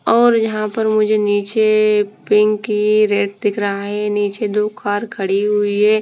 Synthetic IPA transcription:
ɔːɾjɐɦãpəɾmʊd͡ʒʱeniːt͡ʃepɪ̃ŋɡkiɾeːʈd̪ɪkʰɾəɦaɦɛniːt͡ʃed̪okʰaːɾkʰəɽiɦʊiɦɛː

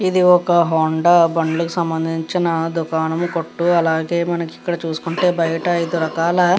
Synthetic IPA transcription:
id̪iɔkɐɦoːɳɖɐbɐɳɖulukusɐmbɐnd̪ʱiɲt͡ʃinɐd̪ukaːnɐmukoʈːuɐlaːɡe̞ːmɐnɐki̥kːɐɽɐt͡ʃuːsu̥kuɳʈe̞ːbɐjɐʈɐɐjid̪uɾɐkaːlɐ

